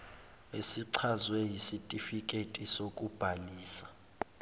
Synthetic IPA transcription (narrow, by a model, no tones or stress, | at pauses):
esiǀʰazwɛjisitʼifikʼetʼisokʼub̥ʱaliːsḁ